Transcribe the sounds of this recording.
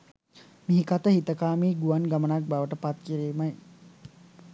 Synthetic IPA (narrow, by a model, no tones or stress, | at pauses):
miɦikat̪əhit̪əkaːmiːɡuʋanɡamənak̚baʋəʈəpat̪kiɾiːmaj